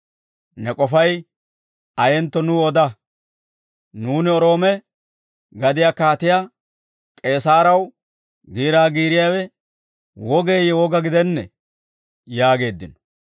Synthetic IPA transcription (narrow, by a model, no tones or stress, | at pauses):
nɛkʼɔfɐj | ɐjɛnt̪ːɔnʊɔd̪ɐ | nuːnɪɔɾo̞ːmɛ | ɡɐd̪ɪjakaːt̪ɪja | kʼe̞ːsaːɾɐw | ɡiːɾaːɡiːɾɪjaːwɛ | wɔɡe̞ːjɛwɔɡɐɡɪd̪ɛnːɛ | jaːɡe̞ːd̪ːɪnɔ̥